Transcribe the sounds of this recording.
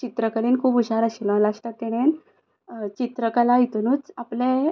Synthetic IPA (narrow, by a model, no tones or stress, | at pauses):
t͡ɕit̪ɾəkəɾinkʰuːpuɕaɾəɕilə̃laʂʈat̪ːeɽ̃en | t͡ɕit̪ɾəkalait̪unuːt͡saplẽ